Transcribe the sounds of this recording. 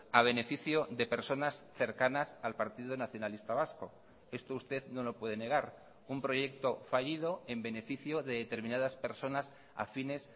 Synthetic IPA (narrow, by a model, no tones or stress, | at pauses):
aβ̞e̞ne̞fiθjoðe̞pe̞ɾso̞nasθe̞ɾkanasalpaɾt̪iðonaθjo̞nalist̪aβ̞asko̞ | e̞st̪oust̪e̞ðno̞lo̞pwe̞ðe̞ne̞ɣ̞aɾ | umpɾo̞ʝe̞k̚t̪o̞faʎiðo̞e̞mbe̞ne̞fiθjo̞ðe̞ðet̪e̞ɾmĩnað̞aspe̞ɾso̞nas | a̰fine̞s